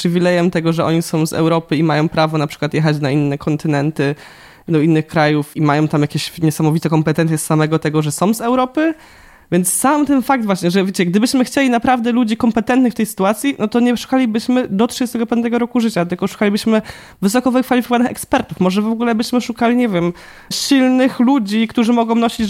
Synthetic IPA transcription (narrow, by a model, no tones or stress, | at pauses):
pʂɘvʲilɛjɛmt̪ɛɡɔʐɛʔɔ̰ɲisɔ̃w̃zɛ̰wɾɔpɘimajɔ̃w̃pɾavɔnapʂɘ̥kwat̪jɛxat͡ɕnainːɛkʰɔnt̪ɘnɛnt̪ɘ | d̪ɔinːɘxkɾajufimajɔ̃w̃t̪amjakʲeɕɲɛsamɔvʲit̪ɛkɔmpɛt̪ɛnt̪ʲjɛsːamɛɡɔt̪ɛɡɔʐɛsɔ̃w̃zɛwɾɔpɘ | vʲjɛnt̪ssamt̪ɛnfak̚d̪vwaɕɲɛʐɛvʲjet͡ɕɛɡd̪ɘbɘɕmɘxt͡ɕelʲinapɾavd̪ɛlud͡ʑikɔmpɛt̪ɛnt̪nɨxft̪ɛjsɘ̥t̪uat̪sʲjinɔt̪ɔɲɛʂu̥kalʲibɘɕmɘd̪ɔtʂst̪ɛɡɔpɛɛɡɔɾɔkuʐɘt͡ɕat̪ɘlkɔʂu̥kalʲibɘɕmɘ | vɘs̬ɔkɔvɘkfalʲifʲikɔvanɨxɛ̰kspɛɾt̪ufmɔʐɛvɔɡulɛbɘɕmɘʂukalʲiɲɛvʲjɛm | ɕilnɘxlud͡ʑikt̪uʐɘmɔɡɔ̃w̃nɔɕid͡ʑ